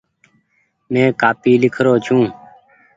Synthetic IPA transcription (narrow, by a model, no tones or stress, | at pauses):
mɛ̃ːkaːpiːlɪkʰɾoːt͡ʃʰũː